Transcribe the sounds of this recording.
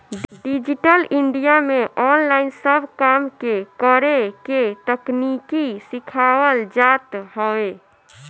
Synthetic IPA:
ɖid͡ʒiʈəliɳɖijameʔɔnlaɪnsəbʱkamkekəɾeket̪əknikisikʰawəld͡ʒat̪hɔe

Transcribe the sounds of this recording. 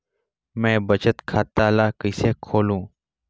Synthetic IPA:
mɛ̃ːbət͡ʃət̪kʰaːt̪aːlaːkəɪseːkʰoːlũː

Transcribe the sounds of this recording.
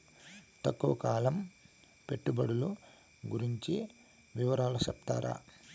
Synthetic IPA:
t̪ɐkːuʋɐkaːlɐm | pe̞ʈːubɐɽulu | ɡuɾiɲt͡ʃi | ʋiʋɐɾaːlɐsɐpt̪aːɾʔa̰ː

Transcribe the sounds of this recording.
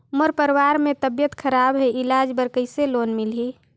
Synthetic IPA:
məɾpəɾwaːɾmẽt̪əbjət̪kʰəɾabɦeɪlaːd͡ʒbəɾkəɪseloːnmɪlɦiː

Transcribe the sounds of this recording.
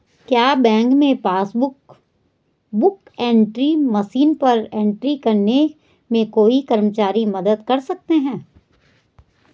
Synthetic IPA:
kjaːbɛ̃ːŋkmẽpaːsbʊk | bʊk | ẽːɳʈɾimɐsiːnpɐɾẽːɳʈɾikɐɾne | mẽkoːikɐɾmət͡ʃaːɾimɐd̪əd̪kɐɾsɐk̚t̪eɦɛ̃ː

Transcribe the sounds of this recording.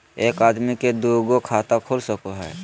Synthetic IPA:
eːkaːd̪miked̪uɡokʰaːt̪akʰoːlsəkoɦɛ̰ː

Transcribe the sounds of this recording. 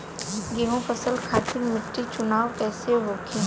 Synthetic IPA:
ɡeɦũfəsəlkʰaːt̪ɪɾmɪʈːit͡ʃʊnaːʋkɛːseɦoːkʰiː

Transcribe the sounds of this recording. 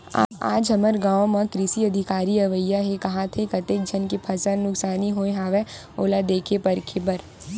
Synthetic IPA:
a̰ːd͡ʒɦɐməɾɡãːwmãkɾɪsiɐd̪ʱɪkaːɾiɐʋəjaɦekɐɦãt̪ʰekɐt̪eːk̚d͡ʒʱɐnkepʰɐsəɾnʊksaːniɦoːeɦaːʋe | oːlad̪eːkʰepɐɾkʰebɐɾ

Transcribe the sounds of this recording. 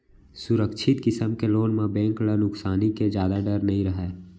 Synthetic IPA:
sʊɾəkʃʰɪt̪kɪsəmkeloːnmẽbɛ̃ːŋklənʊksaːniked͡ʒjaːd̪aɖəɾnəɦĩɾəɦɛː

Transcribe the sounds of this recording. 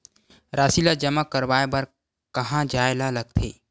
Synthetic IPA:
ɾaːsilad͡ʒəmakəɾwaːebəɾ | kəɦãd͡ʒaːelaləɡ̚t̪ʰeː

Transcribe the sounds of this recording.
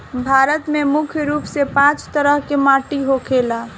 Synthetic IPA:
bʱaːɾət̪memʊkʰjɾuːpsepãːt͡ʃt̪əɾəɦkemaːʈiɦokʰela

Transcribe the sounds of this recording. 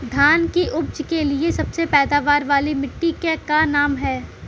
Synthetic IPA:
d̪ʱaːnkiʔʊb̚d͡ʒkeliesɐbsepɛːd̪aːʋaːɾʋaːlimɪʈːikekanaːmɦɛː

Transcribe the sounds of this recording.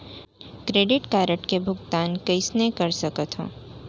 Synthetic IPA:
kɾeːɖɪʈkaːɾəʈkebʱʊɡt̪aːnkɐɪsnekɐɾsɐkət̪ɦõ̰ː

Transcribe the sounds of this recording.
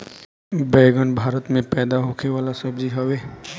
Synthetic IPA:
bɛːɡənbʱaːɾət̪mẽpɛːd̪aɦokʰeʋaːlasəbd͡ʒiɦəʋeː

